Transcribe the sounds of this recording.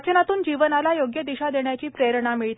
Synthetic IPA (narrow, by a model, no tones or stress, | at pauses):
t͡ɕənat̪uːnd͡ʑiʋənalajoɡjəd̪iɕad̪eɳjat͡ɕiːpɾeɾəɳamiɭt̪